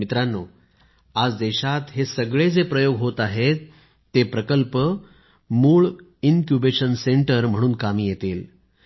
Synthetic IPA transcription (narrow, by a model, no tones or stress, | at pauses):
mit̪ɾanːo̰ | ad͡zd̪eɕat̪ɦesəɡɭed͡zepɾəjoɡɦot̪aɦet̪ː | epɾəkəlpə | muːɭ | inkjubeɕənseɳʈəɾm̤əɽ̃uːnkamiːjet̪iːl